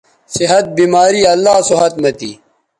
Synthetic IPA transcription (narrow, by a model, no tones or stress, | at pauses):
siɦɐt̪̚bimaːɾiːɐlːaːsoɦɐt̪mɐt̪ḭː